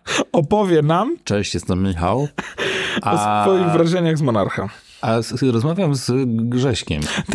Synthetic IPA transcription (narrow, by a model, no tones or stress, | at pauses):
ɔpɔvʲjɛnamt͡ʂɛ̃ɕt͡ɕjɛst̪ɛmmʲixaw | aɔsɔjiɣvɾaʐɛɲaɣzmɔna̰ɾxɛ̰m | ʔasɾɔzmavʲjamzɡʐɛɕkʲɛ̰mt̪